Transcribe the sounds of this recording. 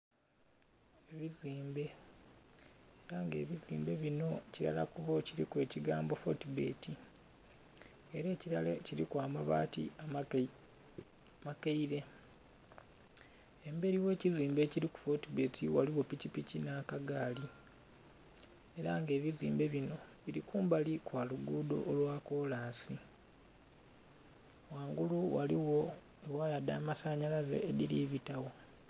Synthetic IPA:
eβiziːmbe̞ | eɾaŋɡe̞̰ːβizḭːmbe̞βino̞ciɾa̰la̰kuβo̞ciɾikwe̞ːciɡaːmbo̞fo̞tibe̞̰ːti | eɾe̞ːciɾaleciɾikwaːmaβa̰ːtḭa | makeiɾe̞ | embe̞ɾiwe̞ːciziːmbe̞ːciɾiku̥fotibetʰiwaliwo̞picipicinakaɡaːli | e̞ɾaŋɡe̞ːβizḭːmbe̞βino̞βiɾikuːmbalikwaːluɡuːdo̞̰ʔolwaːko̞ːlaːnsi | waːŋɡuluwa̰liwo̞ | ewaːjada̰ːmasaɲalazḛːðiliβitawo̞

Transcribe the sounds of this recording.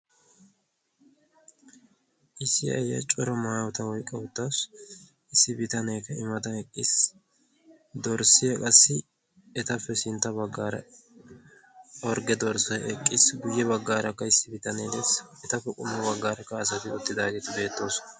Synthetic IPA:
ʔɪsːɪɐ̰jɐ̰t͡ʃʼɔɾɔmaːwɔt̪ɐwɔjkʼːɐwʊt̪ːas | ɪsːɪbɪt̪ɐneːkːɐɪmɐt̪ɐɛkʼːɪs | d̪ɔɾsɪjɐkʼɐsːɪ | ɛt̪ɐfːɛsɪnt̪ːɐbɐɡːaːɾɐ̰ | ɔɾɡɛd̪ɔɾsɔʔɛkʼːɪsɡʊjːɛbɐɡːaːɾɐkːɐɪsːɪbɪt̪ɐned̪esɛt̪ɐfːɛkʼʊmːɐbɐɡːaːɾɐkːɐːs̬ɐt̪ɪʊt̪ːɪd̪aːɡɛt̪ɪbe̞ːt̪ːo̞ːsɔ

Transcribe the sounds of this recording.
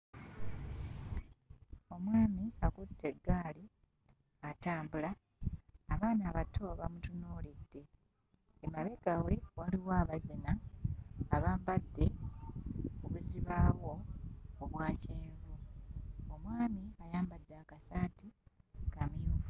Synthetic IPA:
o̞mwaːmiakutʰːe̞ɡːaːli | ataːmbulaː | βaːnaːβatʰːoβamutunoːlidːe̞ | emaβe̞ɡawe̞waliwaːβazinaː | βaːmbadːe̞ | kuβuziβaːwo̞oβwaːceːɡu | omwaːmiajaːmbadːaːkasaːtikamio

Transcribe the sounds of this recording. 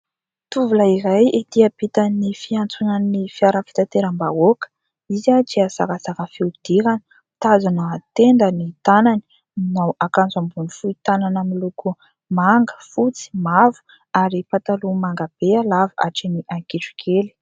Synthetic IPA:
t̪uvulaiɾajid̪iabit̪anifiant͡sunanifiaɾəfi̥t̪at̪eɾambaokə̥ | izad͡ʒiasakasakəfiud̪̥iɾanə | t̪azanaat̪end̪ənit̪anani̥ | minawʔakand͡zambunifuit̪ananamiluku | maŋɡə̥fut͡si̥mavu̥ | aɾipat̪alumaŋɡab̥ealava̰ʈ͡ʂiniʔaŋkiʈ͡ʂu̥kʰeli̥

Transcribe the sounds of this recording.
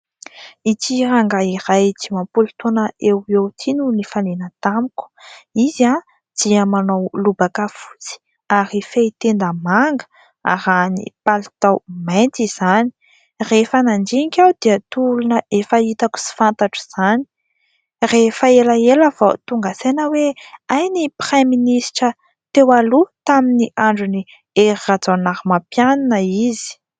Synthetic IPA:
it̪iɾaŋɡairajtimampulut̪onəewewt̪ʰinunifanenət̪amuku̥iza | d̪̥iəmanowlubakəfu̥t͡si̥ | aɾifeit̪end̪əmaŋɡə̥ | a̰ɾanḭpalit̪awment̪iz̥ani̥ | refənand͡ʒikʲawd̪̥iət̪ulunəefəit̪aku̥si̥fant̪aʈ͡ʂu̥z̥ani̥ | refəelaeləvat̪uŋɡasenəweajnipreminisʈ͡ʂə | t̪ewalut̪aminiʔaɳɖ͡ʐuni | eɾirad͡zanaɾimapjananəizi̥

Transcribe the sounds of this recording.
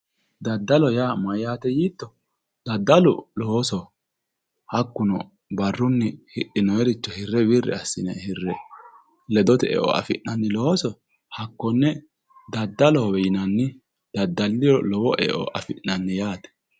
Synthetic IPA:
d̪ɐd̪ːɐlɔjaːmɐjaːt̪ɛjiːt̪ːɔ | d̪̥ɐd̪ːɐlʊlɔhsɔ | hɐkːʊnɔ̰ | bɐrːʊnːɪhɪʔɪnɔjɛɾɪt͡ʃːɔhɪrːɛbɪrːɛ̰ɐsːɪ̰nɛ̰hɪrːɛ | lɛd̪ɔt̪ɛɛ̰ʔɔ̰ʔɐ̰fɪnnɐnːɪlɔɔsɔ | hɐkːɔnːɛ | d̪ɐd̪ːɐlɔhɔwɛjɪnɐnːɪ | d̪̥ɐd̪ːɐlːɪjɔlɔwɔʔɛ̰ʔɔ̰ʔɐfɪʔːɐnːɪjaːt̪ɛ̥

